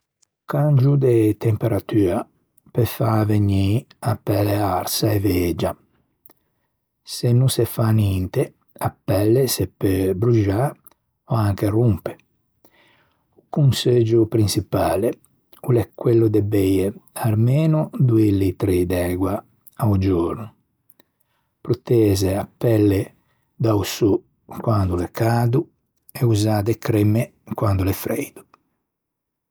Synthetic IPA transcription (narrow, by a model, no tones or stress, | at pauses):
kand͡ʒud̪et̪empeɾat̪yːa | pefaveɲi | apːɛleaɾsaeveːd͡ʒa | senːusefanint̪e | apːɛlːesepːebɾuʒa | ɔaŋk̟erumpe̥ | ukunsed͡ʒupɾinsipaːle | ulɛkːwelːud̪ɛbɛjeaɾmɛːnud̪uelːit̪ɾed̪ɛːɡwa | aud͡ʒoɔːɾnu | pɾut̪ɛːzeapːɛlːe | d̪awsu | kwand̪ulɛkaːd̪u | ɛuzaːd̪ekɾɛmekwand̪ulɛfɾɛ̰jd̪̥u̥